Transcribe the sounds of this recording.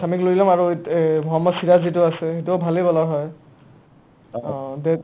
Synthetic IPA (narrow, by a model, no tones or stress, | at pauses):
tʰamikloilamaɹumʱɔɦɔmɔsiɹazitʊasɛxetubʱalebɔlɔɦɔj | de